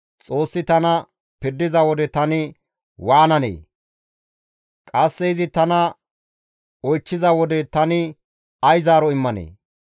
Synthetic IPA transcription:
t͡sʼo̞ːsːɪt̪ɐnɐ | pɪɾd̪ːɪzɐwɔd̪ɛt̪ɐnɪ | waːnɐnḛː | kʼɐsːɛɪzɪt̪ɐnɐ | ɔjt͡ʃːɪzɐwɔd̪ɛt̪ɐnɪ | ɐjzaːɾɔɪmːɐnḛː

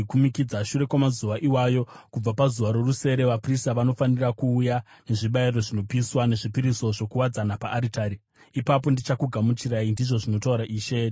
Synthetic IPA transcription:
kumikid͡zaʃuɾe̞kwamazuʋaʔiwajo̞kub͡vapazuʋaɾo̞ruse̞ɾe̞ʋapristaʋano̞fanirakuːja | ne̞ʐiɓairo̞ʐino̞piswane̞ʐipiɾiso̞ʐo̞kuwad͡zanapaʔːɾitaːɾi | ipapo̞ndit͡ʃakuɡʱamut͡ʃiɾaindiʐo̞ʐino̞tauɾaʔiːʃe

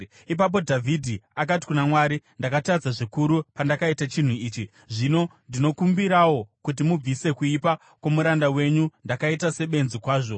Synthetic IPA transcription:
ip̬ap̬o̞dʱavʱidʱiak̬at̬i̥kunamwaːɾindakatad͡zaʐikuɾupandakaitat͡ʃin̤uiːt͡ʃi | ʐino̞ndino̞kumbiɾawo̞kut̬imub͡vise̞kuipa | kwomuɾandawe̞ɲundakaitase̞ɓe̞nzikwaːʐo̞

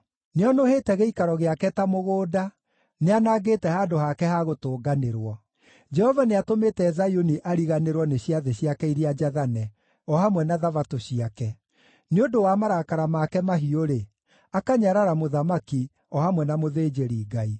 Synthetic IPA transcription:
neɔnoheːtɛɣeikaɾɔɣeakɛtamoɣoːda | neanaɡeːtɛhaːdohakɛhaɣotoːɡaneɾwɔ | d͡ʒɛhɔvaneatometɛːzajoniʔaɾiɣaneɾwɔneɕiaðeɕiakɛiɾead͡ʒaðanɛ | ɔhamwɛnaðavatoɕiakɛ | neondowamaɾakaɾamakɛmaɦioɾe | akaɲaɾaɾamoðamaki | ɔhamwɛnamoðeːd͡ʒeɾiɡai

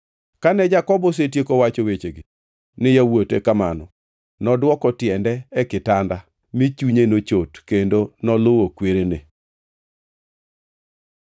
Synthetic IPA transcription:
kanɛd͡ʒakɔbɔs̬etjekowat͡ʃowet͡ʃeɡi | nɪjawotḛkamanɔ̰ | nɔdwɔkɔtjɛndɛɛkɪtanda | mit͡ʃuɲenot͡ʃotkendonɔlowokweɾene

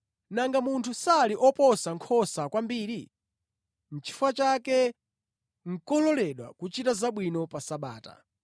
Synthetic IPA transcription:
naŋɡamuntʰusaliʔɔpɔsaŋkʰɔsakwambiːɾi | n̩t͡ʃʰi̥fwat͡ʃakɛ | ŋ̩kɔlɔlɛɗwa̰kut͡ʃitazaɓwinɔpasaɓa̰ːta̰

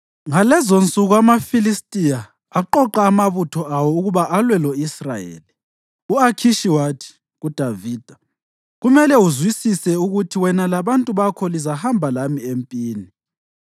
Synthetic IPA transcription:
ŋalɛzont͡sʼuɣuamafilistʼijaː | ǃɔǃaːmaβutʰɔʔawɔuɣuβaʔalwɛloisrajḛːli | uakʰiʃiwatʰi̥ | ɣud̥ʱaviːd̥ʱa | ɣumɛlɛuzwisisɛuɣutʰiwɛnalaβantʼuβakʰɔlizahambʱalamiempʼiːni

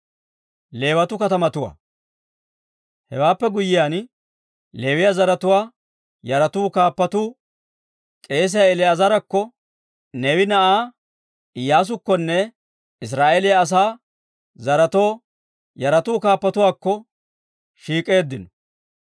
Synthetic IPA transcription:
le̞ːwɐt̪ʊkɐt̪ɐmɐt̪ʊwa̰ː | hɛ̰waːpːɛɡʊjːɪjaːn | le̞ːwɪjɐzɐɾɐt̪ʊwaː | jɐɾɐt̪uːkaːpːɐt̪uː | kʼe̞ːs̬ɪjaɛlɪɐzɐɾɐkːɔ | nɛwɪnɐʔaː | ɪjaːs̬ʊkːɔnːɛ | ɪs̬ɾaːʔeːlɪjɐːs̬aː | zɐɾɐt̪o̞ː | jɐɾɐt̪uːkaːpːɐt̪ʊwaːkːɔ | ʃiːkʼe̞ːd̪ːɪnɔ

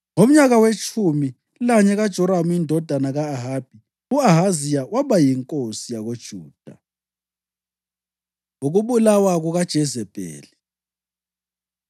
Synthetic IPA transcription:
ŋom̩ɲaɣawet͡ʃʰʼumi | laɲɛɣad̥ʒ̥ʱɔɾamuindʱɔd̥ʱanaɣaːɦaːb̥ʱi | uaɦazijawaβajiŋkʼosijaɣod̥ʒ̥ʱuːd̥ʱa | oɣuβulawaɣuɣad̥ʒ̥ʱɛzɛb̥ʱɛ̰ːlɛ

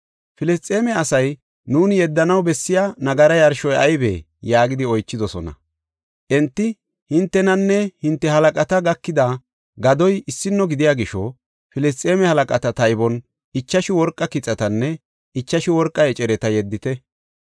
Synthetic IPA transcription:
fɪlɛst̪ʼe̞ːmɛɐsɐj | nuːnɪjɛd̪ːɐnɐwbɛsːɪjanɐɡɐɾɐjɐɾʃɔjɐjbḛː | jaːɡɪd̪ɪɔjt͡ʃːɪd̪ɔsɔnɐ̰ | ʔɛnt̪ːɪ | hɪnt̪ːɛnɐnːɛhɪnt̪ːɛhɐlɐkʼɐt̪ɐɡɐkːɪd̪a | ɡɐd̪ɔjɪsːɪnːɔɡɪd̪ɪjaːɡɪʃɔ | fɪlɪstt͡sʼeːmɛhɐlɐkʼɐt̪ɐt̪ɐjbɔn | ɪt͡ʃːɐʃɪwɔɾkʼːɐkɪt͡sʼːɐt̪ɐnːɛ | ɪt͡ʃːɐʃɪwɔɾkʼːɐɛt͡ʃʼɛɾɛt̪ɐjɛd̪ːɪt̪ɛ

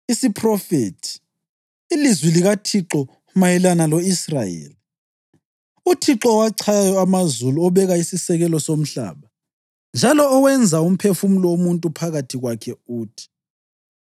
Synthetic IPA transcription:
isipʰrɔfetʰi̥ː | lizwiliɣatʰiǁɔ | majɛlanalɔisra̰jḛːli | utʰiǁɔːwaǀʰajjɔamazuluɔβɛɣaisisɛɣɛlɔsom̩ɬa̰ːβa | nd͡ʒʱalɔːwɛnd͡zʱaum̩pʰefumulɔwomuntʼupʰaɣatʰiɣwakʰɛuːtʰi̥

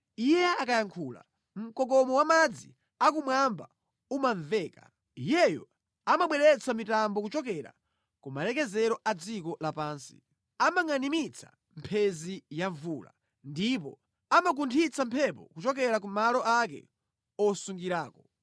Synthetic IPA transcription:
ijɛakajaŋkʰuːla̰ | m̩kɔkɔmɔwamad͡zi | ak̬umwamba | umaɱvɛːka | ijɛjɔ | amaɓwɛɾɛt͡samitambɔkut͡ʃɔkɛɾa̰ | kumalɛkɛzɛɾɔʔad͡zikɔlapaːnsi̥̰ | amaŋanimit͡sʰḁ̰ | m̩pʰɛzijaɱvuːla̰ | ndip̬ɔ | amak̬untʰit͡sampʰɛp̬ɔ̰kut͡ʃɔk̬ɛɾak̬umalɔʔak̬ɛ̰ | ɔsuŋɡiɾaːkɔ

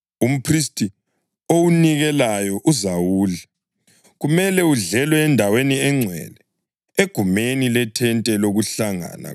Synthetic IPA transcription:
um̩pʰristʼi | owuniɣɛlajɔʔuzawuːla | ɣumɛlɛuɮɛlwɛːndʱaweniɛŋ͡ǀʱwɛ̰lɛ | eɡ̥ʱumenilɛtʰɛntʼɛloɣuɬaŋa̰na̰

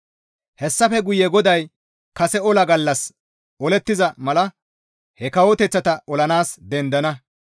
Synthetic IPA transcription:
hɛsːɐfɛɡʊjɛɡɔd̪ɐj | kɐsɛɔlɐɡɐlːɐs | ɔlɛt̪ːɪzɐmɐlɐ | hɛkɐwɔt̪ɛt͡sːɐt̪ɐɔlɐnaːsd̪ɛnd̪ɐnɐ

